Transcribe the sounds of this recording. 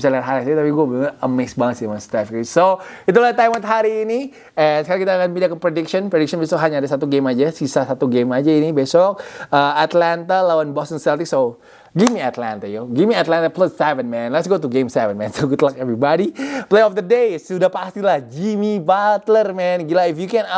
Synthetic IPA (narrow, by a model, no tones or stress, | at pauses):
bisaliat̪ɦaɾisat̪apiɡuabəəmesbaŋət̪̚samast̪ɛfkisoit̪̬ulat̪ːaimat̪ɦaɾiːni | ɛnsəkaɾakit̪aːkanbindakːəpɾedɪkʃɔnpɾedɪksɔnbesɔkɦaɲaːdasat̪uɡemad͡ʒasisasat̪uɡemad͡ʒainibesɔk̚əat̪lant̪alawanbɔst̪ənsɛlt̪ɪkso | ɡimiat̪la̰nt̪ajoɡimiat̪lant̪aplasːɛvənmɛ̃nlɛtsɡot̪uɡemsɛvənmɛ̃nsoɡut̪əlakɛvɾibadiplejɔfd̪ədesudahpast̪ilahd͡ʒimibat̪lərmɛnɡilaifjukɛ̃n